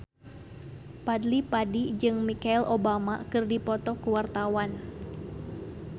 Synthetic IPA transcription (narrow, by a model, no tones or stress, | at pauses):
padlipadid͡ʒɨŋmikailʔobama̰kɨrdipɔt̪ɔkuwart̪awan